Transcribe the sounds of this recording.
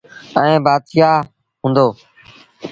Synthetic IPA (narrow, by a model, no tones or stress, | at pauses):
əẽːbaːt̪jaː | ɦũːnd̪oː